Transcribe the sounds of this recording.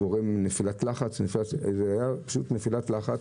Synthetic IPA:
oʁemnefilat̪laχat͡snefilatzeajapḁʃutnefilatlaχat͡s

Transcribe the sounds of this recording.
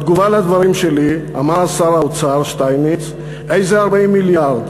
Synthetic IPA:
t̪ɡuvalead̪vaʁimʃelia̰maʁasaɾaot͡saʁʃt̪ajnit͡s | ejzeaʁbaimːiljaʁd̪

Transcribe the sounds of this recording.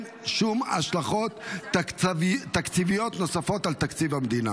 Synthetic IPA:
ʃuma̰ʃlaχo̞t̪ | t̪ːakt͡sivijo̞t̪no̞safo̞t̪alt̪akt͡sivhamd̪ina

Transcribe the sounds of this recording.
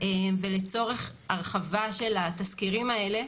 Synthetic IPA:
emvele̞t͡so̞ʁe̞χaʁχavaʃe̞lat̪askiʁimae̞le̞

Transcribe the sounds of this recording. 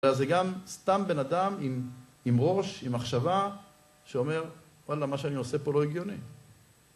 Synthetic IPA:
azeɡamst̪ambe̞nad̪amim | imʁo̞ʃimaχʃava | ʃeo̞me̞ʁ | walamaʃeaniose̞po̞loeɡjo̞ni

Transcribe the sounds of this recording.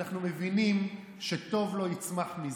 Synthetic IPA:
aχnumevinim | ʃeto̞vlo̞jit͡smaχmi

